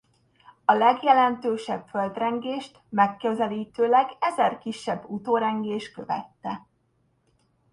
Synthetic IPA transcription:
ɒlɛɡjɛlɛnt̪øːʃɛbføld̪rɛŋɡeːʃt̪mɛkːøzɛliːt̪øːlɛɡɛzɛrkiʃːɛbːut̪oːɾɛŋɡeːʃkø̞vɛ̰t̪ːɛ

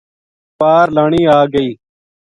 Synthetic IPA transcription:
paːɾlaːɳiːaːɡəiː

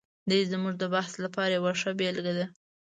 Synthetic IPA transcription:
d̪əjzəmuʐd̪əbahslapɑɾajawaʂabelɡad̪a

